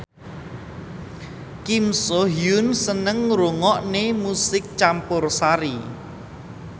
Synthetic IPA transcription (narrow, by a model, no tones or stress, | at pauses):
kimsoɦjʊnsənəŋruŋɔʔnemusɪk̚t͡ʃampʊrsaɾi